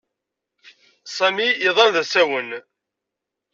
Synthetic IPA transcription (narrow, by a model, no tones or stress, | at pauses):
sˤæmiiðˤɑnðæsæwən